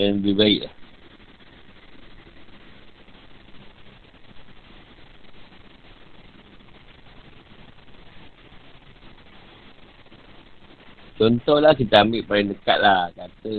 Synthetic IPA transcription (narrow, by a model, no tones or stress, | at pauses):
anbibaḭʔlah | t͡ʃɔnt̪ɔhlahkit̪aamiʔpaɾidəka̰t̪̚lahkat̪ə